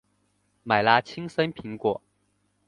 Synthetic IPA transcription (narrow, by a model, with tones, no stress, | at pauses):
ma˨˩ɪla˥t͡ɕʰi˥ŋsə˥npʰi˧˥ŋkwɔ˨˩˦